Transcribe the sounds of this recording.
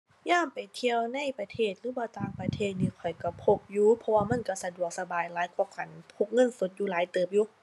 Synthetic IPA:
jaː˧˥˨mpa˨jt̪ʰi˧əwna˧˥˨jpa˧t̪ʰeː˧˩t̪̚ɾɯː˨˦baː˧˩t̪aː˧˩ŋpa˧t̪ʰeː˧˩t̪̚niː˧˩kʰɔ˨˩jka˧˩pʰo˧p̚juː˧˨pʰɔ˧waː˧ma˧˥˨nka˧˩sa˧du˨˩ək̚sa˧baː˨˩jlaː˨˦jkʰɔ˧˩kʰa˧˩npʰo˧˩k̚ŋɤ˧˥˨nso˧˦t̪̚juː˧laː˨˦jt̪ɤː˨˩p̚juː˧˩

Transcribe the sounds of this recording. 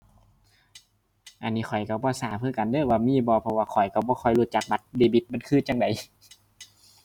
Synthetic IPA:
ʔa˧˩nːiː˧˩xʰɔ˨˩jka˧˩bɔː˧˦saː˨˦pʰɯː˧˥˨ka˨ndɤː˧˩˨waː˧miː˧˥˨bɔː˧pʰɔ˧waː˧kʰɔ˨˩jka˧˩bɔː˧˦xʰɔ˧˩jluː˧˩t̪̚t͡ɕa˨˧˩k̚ba˧˦t̪̚deː˧˩bi˧˦t̪̚ma˧˥˨nkʰɯː˧˥˨t͡ɕa˧ŋda˨j

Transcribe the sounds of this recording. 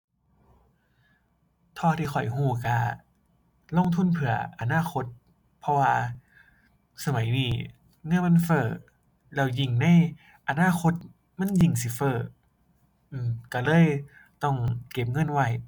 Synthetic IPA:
t̪ʰɔː˧˩t̪ʰiː˧˩xɔ˨˩jhuː˧˩ka˧˩ | lo˧˥˨ŋt̪ʰu˧˥˨npʰɯ˨˧˩ɐʔa˧naː˧˥˨xʰo˧˥t̪̚ | pʰɔ˧waː˧ | sa˧ma˨˦jdiː˧˩ | ŋɤ˧˥˨ma˧˥˨nfɤː˧˩ | lɛː˧˩wji˧˩ŋna˧˥˨j | ʔa˧naː˧˥˨xo˧˥t̪̚ | ma˧˥˨nji˧˩ŋsi˧˦fɤː˧˩ | ʔɯː˧˩ka˧˩lɤː˧˥˨j | t̪ɔ˧˩ŋke˧˩˦p̚ŋɤ˧˥˨nwa˧˩j

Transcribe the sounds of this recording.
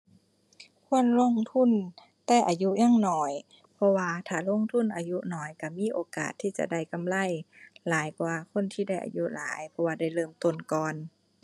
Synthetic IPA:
kʰu˧˥˨ənlo˧˥˨ŋt̪ʰu˧˥˨n | t̪ɛː˧˩ʔaː˨ju˧˥ɲaː˧˥˨ŋnɔː˧˩j | pʰɔ˧waː˧t̪ʰaː˧˩lo˧˥˨ŋt̪ʰu˧˥˨nʔaː˧ju˧nɔː˨˩jka˧˩miː˧˥˨ʔoː˧˦ka̰ː˨˩t̪ʰːiː˧˩t͡ɕa̰˧˨ʔda˧˥˩jka˧˨mla˧˩˨jlaː˨˦jkwaː˧kʰo˧˥˨nt̪ʰiː˧˩da˥˩jʔa̰˨ju˧˥la̰ː˨˦jpʰɔ˧waː˧˩da˧˩jlɤː˧˩˨mt̪o˧˩˨nkɔː˨n

